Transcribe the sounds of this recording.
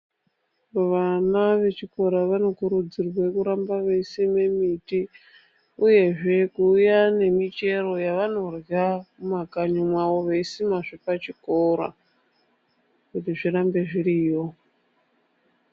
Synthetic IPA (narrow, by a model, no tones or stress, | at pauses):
ʋanaʋe̞t͡ʃiko̞ɾaʋano̞kuɾud͡zirwekuɾambaʋe̞iseme̞miti | uje̞ʐe̞kuːjane̞mite̞ro̞jaʋano̞rjamumakaɲumwaʋo̞ʋe̞isimaʐipat͡ʃiko̞ɾa̰ | kutiʐiɾambe̞ʐiɾiːjo̞